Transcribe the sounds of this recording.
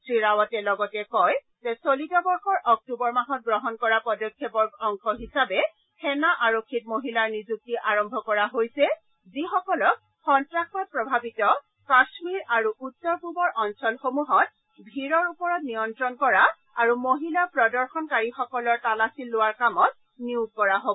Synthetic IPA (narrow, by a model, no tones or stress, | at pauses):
sɹiɹawɔtɛlɔɡɔtɛkɔj | zɛsolitɔbɔɹxɔɹʔɔk̚tubɔɹmaɦɔt̚ɡɹɔɦɔnkɔɹapɔdɔkʰːjɛbɔɹkʰɔŋxɔɦisabɛ | kʰɛnaʔaɹokʰːit̚moɦilaɹnizuk̚tiʔaɹɔmbʱɔkɔɹaɦojsɛ | zixɔkɔlɔk̚ | xɔntɹaxɔt̚pɹɔbʱabitɔ | kasmiɹaɹuʔutːɔɹpubɔɹʔɔnsɔlxomuɦɔt̚ | bʱiɹɔɹupɔɹɔtnijɔntɹɔnkɔɹa | aɹumoɦilapɹɔdɔɹxɔnkaɹixɔkɔlɔɹtalasilːʊwaɹkamɔt̚ | niuz̚kɔɹaɦobɔ